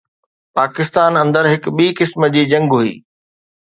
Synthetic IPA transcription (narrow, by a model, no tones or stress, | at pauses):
paːkɪst̪aːnɐ̃nd̪əɾɦɪkɓiːkɪsməd͡ʑiːd͡ʑɐ̃ŋɡɦuḭː